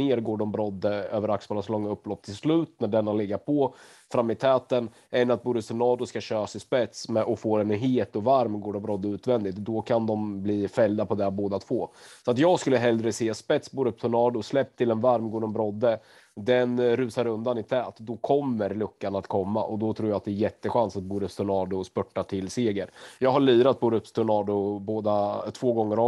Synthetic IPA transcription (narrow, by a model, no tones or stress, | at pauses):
eːɾɡoːɖɔmbɾɔd̪ːəøːvəɾaksfɑːlaslɔŋːaɵpːlɔpːt̪ʰɪlslʉ̟ːt̪næɖɛnːalɪɡːaɾpʰɔ | fɾamːɪt̪ʰɛːt̪ən | ɛnːat̪̚buːɾəp̚t̪ʰʊnɑːd̪ʊskaɕøːsɪspɛt̪smɛʔɔfoːɾɛnɦeːt̪ɔvaɾmɡoːɖɔmbɾɔd̪ːəʉ̟ːt̪vɛnd̪ɪt̪d̪ɔkʰand̪ɔmbliːfɛld̪apɔd̪ɛboːd̪at̪ʰv̥oːsɔat̪jɑːɡskɵlːəɦɛld̪ɾəseːaspɛt̪sbuːɾɵp̚ːt̪ʰʊnɑːd̪ʊslɛp̚ːt̪ʰɪlɛnvaɾmɡoːɖ̪ənbɾɔd̪ːə | d̪ɛnɾʉ̟ːsaɾɵnd̪anɪt̪ʰɛːt̪d̪ɔkʰɔmːəɾlɵkːanat̪kʰɔmːa̰ʔɔd̪ɔt̪ʰɾuːɾjat̪̚d̪ɛːjɛt̪ːəɧansat̪̚buːɾɵpst̪ʰʊɳɑːd̪ʊspɵʈːat̪ʰɪlseːɡəɾjɑːɡɦaɭyːɾat̪̚buːɾɵpːt̪ʰʊnɑːd̪ʊboːd̪at̪ʰv̥oːɡɔŋːəɾɔ